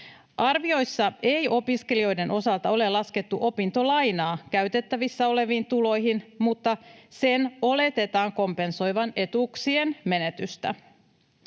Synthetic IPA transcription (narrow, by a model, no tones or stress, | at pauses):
ʔɑrʋio̞jsːɑe̞jo̞piske̞lio̞jde̞nʔo̞sɑlt̪ɑo̞le̞lɑske̞t̪ːuʔo̞pint̪o̞lɑjnɑːkæɥt̪e̞t̪ːæʋisːæo̞le̞ʋiːnt̪ulo̞jɦinmut̪ːɑse̞no̞le̞t̪e̞t̪ɑːŋko̞mpe̞nso̞jʋɑne̞t̪uksie̞nme̞ne̞t̪yst̪æ̰